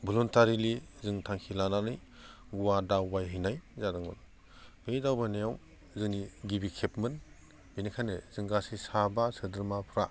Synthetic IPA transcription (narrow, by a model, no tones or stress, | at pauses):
buluntaɾilizɯŋtʰaŋkʰilananɯj | ɡuwadawbajɦɯjnajzadɯŋmɯ̰n | medawbanajaw | zɯniɡibikʰepmɯn | binikʰanezɯŋɡasisabasɯdɯɾmapʰɾa̰